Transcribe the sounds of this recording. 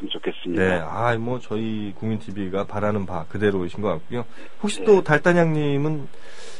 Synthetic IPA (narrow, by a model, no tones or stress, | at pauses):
omt͡ɕokʰe̞s͈ɯmɲine̞aaimwʌt͡ɕʌi | koŋmintʰibiɡapaɾanɯnpakɯde̞ɾoɕʰinɡʌk͈a̰k̚k͈̚ujo | hok̚ɕ͈i̥t͈otaɭt͈aɲaŋɲimɯn